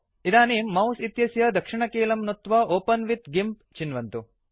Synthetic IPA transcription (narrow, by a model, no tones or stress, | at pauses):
id̪aːnimɐwsit̪jɐsjɐd̪ɐkʂiɳɐkeːlɐmnut̪ʋɐʔoːpɐnʋit̪ɡimp | t͡ʃinʋɐnt̪u